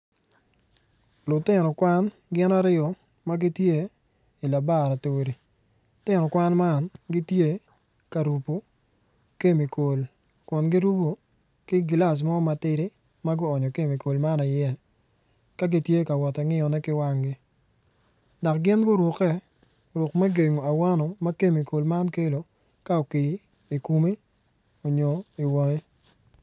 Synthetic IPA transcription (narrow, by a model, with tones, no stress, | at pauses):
lʊ˨tɪ˦nɔ˨kwa˦n | ɡɪ˦na˦ɾɪ˦ɔ˨ | ma˦ɡɪ˦tje˦ | i˨la˨ba˦˨ɾa˨te˨e˨ɾi˨ | tɪ˦nɔ˨kwa˦nma˦nɡɪ˦tje˦˨ | ka˨ɾu˨po˨ | ke˦mi˨ko˨l | kʊ˨nɡɪ˦ɾu˦ɡo˨ | kɪ˦ɡla˨s̬mɔ˦ma˨tɪ˦ɾɪ˦ | ma˦ɡʊ˦ɔ˨ɲɔ˨ke˦mi˨ko˨lma˦na˨jɛ˦˨ | ka˦ɡi˦tje˦ka˨wɔ˨tɛ˨ŋɪ˦ɔ˨nɛ˦kɪ˦wa˦ŋɡɪ˦ | da˨kɡɪ˦nɡʊ˦ɾʊ˨kɛ˦ | ɾʊ˨kmɛ˦ɡe˨ŋo˨a˨wa˦nɔ˨ma˦ke˦mi˨ko˨lma˦nke˦lo˨ | ka˦ɔ˨kɪ˨˦ | i˨ku˨mi˦ | o˨ɲo˨i˨wo˨ŋe˦